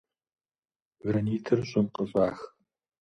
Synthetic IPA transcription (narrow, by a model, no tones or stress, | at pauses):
vɾɐniːtʰɨrɕʼɪnqəɕʼaːx